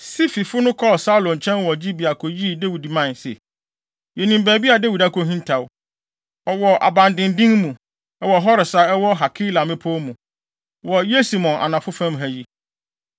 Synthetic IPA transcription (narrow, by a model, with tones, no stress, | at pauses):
si˦fi˨fʊ˦nʊ̃˦kʰɔ˦˨sa˦lɔ̃˨n˨t͡ɕʰɛ̃˦nwɔ˨d͡ʑi˦bi˨a˨kʰɔ˨ji˦˨de˦wi˨di˨mã˦˨nsɛ̰˨ | jɛ˨nĩ˨m˨bæː˨bi˦a˨da˦wi˨da˦kʰo˨ɦĩ˦ntʰa˨w | ɔ˨wɔ˨ʔa̰˨bã˨ndɪ̃˨ndĩ˦ŋmũ˨ | ɛ˦wɔ˨ɦɔ˦ɾɪ˨sa˦ɛ˦wɔ˦ɦa˨kʰi˦la˨mɪ̃˦pʰo˦mũ˨ | wɔ˨je˦si˨mɔ̃˨nʔa̰˨nã˨fʊ˦fæ̃˦mɦæ˨ji˦